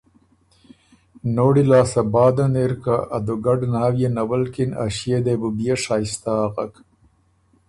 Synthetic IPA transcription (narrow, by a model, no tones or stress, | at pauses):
noːɽilaːsɐbɑːd̪aneɾkaʔːd̪uɡaɖnaːwjenɐwalkina̰ʃijed̪ebubijaʂaːjst̪aːqak